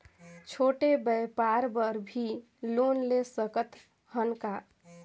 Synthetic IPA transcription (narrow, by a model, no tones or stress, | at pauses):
t͡ʃʰoʈebəjpaɾbəɾbʱi | lonlesəkət̪ | ɦənka